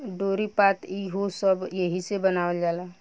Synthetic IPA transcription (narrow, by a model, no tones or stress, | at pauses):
ɖoːɾipaːt̪iɦosəbjeɦisebənaːʋəld͡ʒaːla